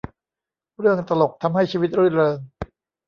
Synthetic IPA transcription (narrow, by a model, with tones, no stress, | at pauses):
ɾɯ˥˩əŋt̪a˧lo˨˩k̚t̪ʰa˧mɦa˥˩jt͡ɕʰiː˧wi˦˥t̪̚ɾɯ˥˩ɾɤː˧ŋ